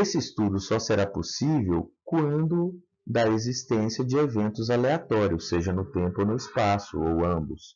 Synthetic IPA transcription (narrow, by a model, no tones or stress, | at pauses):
esɪist̪ud̪ʊsɔseɾaposivewkuɐ̃nd̪ʊ | d̪ɐezist̪ẽsiɐd͡ʒɪevẽnt̪ʊzaleat̪ɔɾiʊsːeʒɐnʊt̪ẽmponʊɪspasʊ̰owɐ̃mbʊs